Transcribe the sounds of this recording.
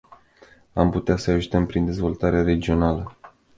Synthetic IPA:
amput̪easəaʒut̪əmpɾind̪e̞zvo̞lt̪aɾeeaɾe̞d͡ʒio̞nalə

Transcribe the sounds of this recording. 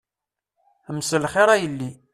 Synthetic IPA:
əmsəlχeɾˤæjəlːi

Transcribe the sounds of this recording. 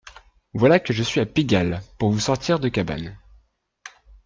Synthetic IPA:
vwalakəʒəsɥiapiɡʲalpuʁvusɔʁt̪ʰiʁd̪əkʲaba̰n

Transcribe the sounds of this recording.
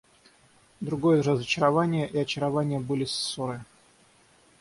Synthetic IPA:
d̪ɾʊɡo̞jərəzət͡ɕɪɾɐvanʲɪjəʔiɐt͡ɕɪɾɐvanʲɪjəbɨlʲɪsːoɾɨ

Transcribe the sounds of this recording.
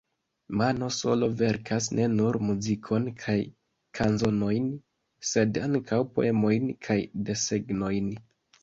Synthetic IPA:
mano̞so̞̰lo̞ve̞ɾkas̬nʔe̞nuɾmuzikʰo̞nkʰaj | kʰanzo̞no̞jn | se̞daŋkʰawpo̞̰e̞mo̞jnkʰajde̞se̞ɡno̞jn

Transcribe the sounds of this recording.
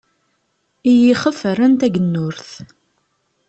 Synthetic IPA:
ijiχəfəɾənt̪æɡənːʊɾθ

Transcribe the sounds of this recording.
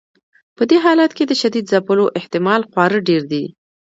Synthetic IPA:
pəd̪eɦɑlat̪ked̪əʃad̪id̪zapəloʔɪht̪ɪmɑlxwɑɾəɖeɾd̪i

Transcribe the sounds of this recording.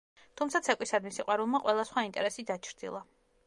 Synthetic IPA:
t̪ʰumtsʰat̪sʰɛkʷʼisad̪misiqʼwaɾulˠmaqʼwɛlˠasχwaint̪ʼɛɾɛsid̪at͡ʃʰɾd̪ḭlˠa

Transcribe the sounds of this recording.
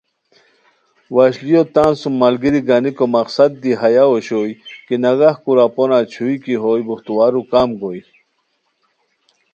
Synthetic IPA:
waɕlijot̪aːnsumːalɡiɾiɡanikomɐqsad̪̚ːiɦajaoɕojkinaɡahkuɾaponat͡ɕʰuikiɦojbuxt̪uwaɾukamɡoj

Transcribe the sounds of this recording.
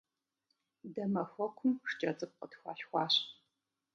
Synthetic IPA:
dɐmɐxʷɔkʷʰʊmʂt͡ʃʼɐt͡sʼɨp̚qətxʷɑ̰ːɬxʷɑːɕ

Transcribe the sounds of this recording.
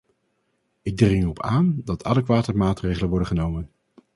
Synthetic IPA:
ɪɡ̚drɪŋɔpʰaːndɑtʰɑ̰ləkʋaːtəɹmaːtrejχələnʋɔɹdəχənowmən

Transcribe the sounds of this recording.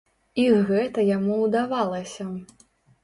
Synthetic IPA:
iɣɛt̪ɐjamuwd̪avalˠɐsʲɐ

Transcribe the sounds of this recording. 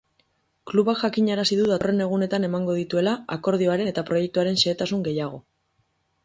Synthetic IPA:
kluβakʝakiɲaɾasiðuðare̞ne̞ɣ̞une̞t̪ane̞maŋɡo̞ðit̪ue̞laako̞ɾð̞io̞aɾe̞et̪apɾo̞je̞k̚t̪uaɾe̞nse̞ːt̪asuŋɡe̞jaɣ̞o̞̰

